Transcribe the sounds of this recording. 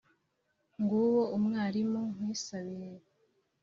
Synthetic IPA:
ŋɡuwoumŋaːɾimoŋ̥wiːsaβiɾe

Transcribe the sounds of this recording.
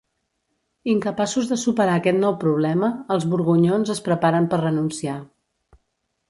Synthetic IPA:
iŋkəpasuzðəsupəɾaəkɛt̪nɔwpɾuβ̞lɛməːlˠzβuɾɣuɲonzəspɾəpaɾəmpərrənunsia

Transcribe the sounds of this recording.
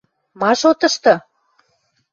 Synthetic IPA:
mɑʃot̪ɤ̆ʃt̪ɤ̆

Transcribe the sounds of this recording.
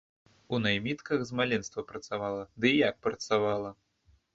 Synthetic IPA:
unajmʲit̪kɐɣzmalʲɛnst̪vɐpɾɐt̪savalˠɐd̪ɨjak̚pɾɐt̪savalˠɐ

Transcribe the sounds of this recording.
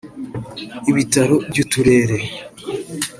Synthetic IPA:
iβitaɾobɟutuɾe̞ːɾe

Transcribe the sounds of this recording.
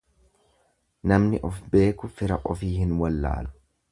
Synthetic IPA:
nɐmnɪʔɔfbe̞ːkʊfɪɾɐʔʼɔfiːhɪnwɐlːa̰ːlʊ̥

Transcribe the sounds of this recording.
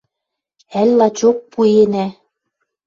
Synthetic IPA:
ælʲːɑt͡ɕok̚puenæ

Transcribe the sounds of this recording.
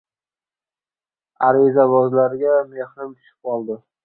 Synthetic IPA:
aɾizabɒzlaɾɪɡʲame̞hnɪmt̪ʰʊ̥ʃɪ̥p̚qɒlˠd̪ɪ

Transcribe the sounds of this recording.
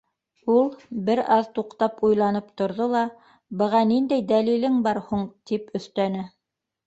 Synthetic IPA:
ulˠbɘɾɑðt̪uqt̪ɑpujlˠɑnɤpt̪ŏɾðolˠɑ | bɤ̆ʁɑnind̪æjd̪ælilɘŋbɑɾhuɴt̪ipɵ̆θt̪ænɘ

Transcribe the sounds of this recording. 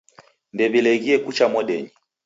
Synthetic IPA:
ndɛβilɛɣiɛkut͡ʃamɔɗɛɲi

